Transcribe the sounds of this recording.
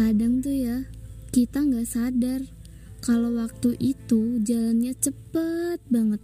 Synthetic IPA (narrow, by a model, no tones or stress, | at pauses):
adaŋt̪ujakit̪aŋɡaʔsadar | kalowak̚t̪uʔit̪ud͡ʒalanɲat͡ʃəpət̪̚baŋət̪̚